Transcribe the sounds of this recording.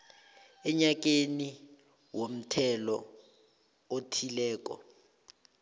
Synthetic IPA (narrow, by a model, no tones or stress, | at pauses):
ɛɲak̬eni | wom̩tʰɛlɔ̰ | otʰilɛːk̬ɔ̰